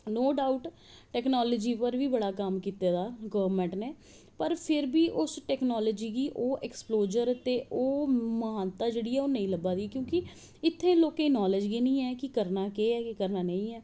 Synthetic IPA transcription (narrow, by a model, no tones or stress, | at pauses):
noːɖaːuʈ | ʈɛːknɔːləd͡ʒiːpəɾʋiːbəɽaːkəmkiːt̪eːd̪aːɡəʋəɾmɛ̃ːɳʈneː | pəɾpʰɪɾbiːʔʊsʈɛːknɔːləːd͡ʒiːɡiːʔoːʔɛːksploːd͡ʒəɾt̪eːʔoːməɦaːnt̪aːd͡ʒeːɽiːɛːoːnəĩːləbaːd̪iːɛːkjõːkɪ | ɪt̪ʰːẽːloːkẽːnɔːləd͡ʒɡiːnĩːɛːkɪkəɾnaːkeːɛːkɪkəɾnaːnə̃ĩːɛː